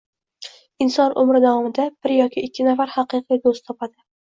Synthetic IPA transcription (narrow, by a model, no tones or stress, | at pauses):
ɪnsɒnʔʊmɾɪd̪avɒmɪd̪ab̥ɪɾjɒkʲʰɪɪkʲʰːɪnafaɾhɑqɨqʰijd̪ost̪ʰɒpʰad̪ɪ